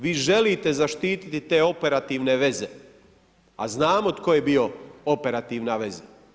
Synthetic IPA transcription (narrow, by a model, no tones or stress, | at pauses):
ʋiːʒe̞lit̪e̞zaʃt̪iːt̪i̥t̪it̪e̞ːo̞pe̞ɾat̪iːʋne̞ʋe̞ze̞ | a̰znaːmot̪ko̞jebio̞o̞pe̞ɾat̪iːʋnaʋe̞za